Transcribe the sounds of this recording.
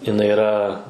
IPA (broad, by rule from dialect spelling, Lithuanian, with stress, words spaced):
jɪnˈɐɪ ɪˈrɐ